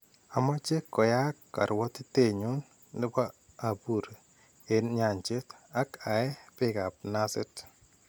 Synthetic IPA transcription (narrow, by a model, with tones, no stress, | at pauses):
a˨mɔ˦t͡ʃe˦kːɔ˨ja˦kːa̰˨ɾwɔ˦tɪ˦te˦˨ɲu˦n | nɪ˦paː˦˨ | bu˨ɾe˨ | e˨nɲa˨ɲt͡ʃe˦ta˦ka˨ɛ˦pɪ˦ka˨p̚na˦sɪ˦t